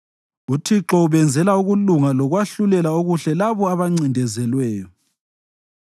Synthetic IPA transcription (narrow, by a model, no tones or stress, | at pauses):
utʰiǁɔuβɛnd͡zʱɛlauɣuluŋalɔɣwaɬulɛlaoɣuɬɛlaβɔaβaŋ͡ǀindʱɛzɛlwɛːjɔ